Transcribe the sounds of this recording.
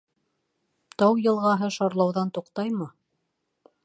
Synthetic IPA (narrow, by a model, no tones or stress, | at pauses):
t̪ɑwjɤ̆lˠʁɑɦɤʃɑɾlˠɑwðɑnt̪uqt̪ɑjmɤ